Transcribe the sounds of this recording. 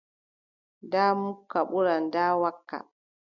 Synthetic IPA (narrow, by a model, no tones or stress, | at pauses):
ndaːmukːaɓuɾandaːwakːa̰